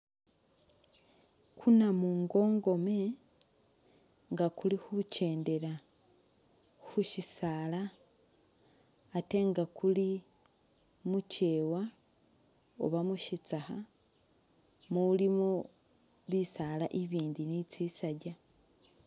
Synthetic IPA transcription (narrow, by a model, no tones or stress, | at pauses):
kʰunamuŋɡo̞ːŋɡo̞me | ŋɡakulihuce̞ːnde̞ɾa | xuʃisaːla | te̞ŋɡakuli | muce̞ːwa | o̰βamuʃit͡saha̰ | mulimo | βisaːlaʔiβiːndinit͡sisaɟa